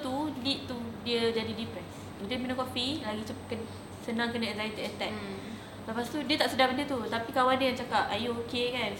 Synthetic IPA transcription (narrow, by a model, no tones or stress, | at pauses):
t̪ulit̪̚t̪ːudiəd͡ʒadidipɾɛs | udəminə̃kɔfilaɡit͡ʃəpkən | sənãŋkənəɛzait̪iət̪ɛk | ləpast̪udiət̪aʔsədahbəndət̪ut̪apikawandəjaŋt͡ʃakapajookekan